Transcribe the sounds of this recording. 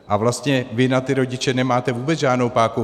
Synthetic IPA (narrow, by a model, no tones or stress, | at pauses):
ʔavlast̪ɲɛvɪnat̪ɪɾo̞ɟɪt͡ʃɛnɛmaːt̪ɛvuːbɛt͡sʒaːdno̞wpaːku